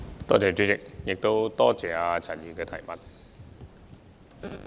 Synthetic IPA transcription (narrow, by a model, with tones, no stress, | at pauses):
t̪ɔː˥t͡sɛː˨˩t͡ɕy˧˥t͡sɪ˨˩k̚jɪ˨k̚t̪o˥wt̪ɔː˥t͡sɛː˨˩aː˧t͡sʰa˨˩jiː˨˩kɛː˧t̪ʰɐ˨˩jmɐ˨˩t̚